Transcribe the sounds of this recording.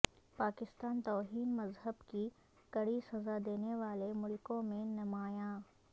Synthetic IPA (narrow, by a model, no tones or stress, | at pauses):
paːkɪst̪aːnt̪ɔːɦiːnmɐzɦəbki | kɐɽisɐzad̪eːneʋaːlemʊlkõmẽnɐmaːjãː